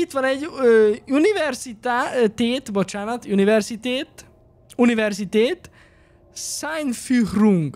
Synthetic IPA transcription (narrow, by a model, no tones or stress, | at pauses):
it̪ʋɒnɛɟːøunivɛrsit̪at̪eːt̪bot͡ʃaːnɒt̪univɛrsit̪eːt̪ | univɛrzit̪eːt̪ | sajnfyhruŋɡ